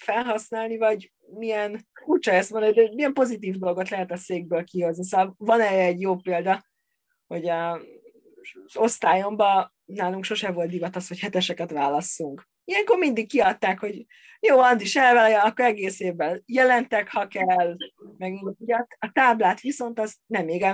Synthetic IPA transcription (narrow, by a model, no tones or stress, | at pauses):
fɛlɦɒsnaːlnivɒɟ | mijɛnfuːt͡ʃɒɛst̪mond̪nid̪ɛmijɛmpo̞zit̪iːvd̪o̞loɡo̞t̪lɛɦɛt̪ɒseːɡ̚bøːlkiɦo̞znis̬oɒlvɒnɛːɾɛɛɟjoːpeːld̪ɒ | ho̞ɟɒ | zo̞st̪aːjo̞mbɒ | naːluŋkʃo̞ʃɛvo̞lt̪d̪ivɒt̪ɒsho̞chɛt̪ɛʃɛkɛt̪ʋaːlɒsːuŋk | ijɛŋko̞rmind̪ikːiɒt̪ːaːkho̞ɟ | joːɒnd̪iʃɛlvɛlɛjɒɒkːoɾɛɡeːseːvbːɛnjɛlɛnt̪ɛkhɒkɛlːmɛɡiuɟɒt̪ɒt̪aːblaːt̪ʋiso̞nt̪ɒznɛmːeːɡɛ